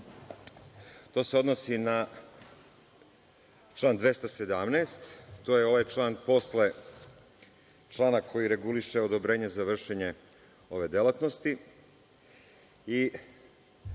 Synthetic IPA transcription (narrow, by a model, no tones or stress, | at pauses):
t̪o̞ːse̞o̞d̪nosina | t͡ʃlˠaːnd̪ʋe̞st̪ased̪amneːst̪ːoːjeo̞ʋajt͡ʃlˠaːnpo̞sle | t͡ʃlˠaːnakʰo̞jiɾe̞ɡuliʃeod̪obɾeːɲe̞zaʋr̩ʃeɲe̞ | o̞ʋe̞d̪elat̪nost̪i | i